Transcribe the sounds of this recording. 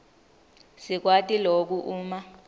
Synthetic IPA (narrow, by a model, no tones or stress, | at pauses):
sik̬watʼilok̬uʔuːma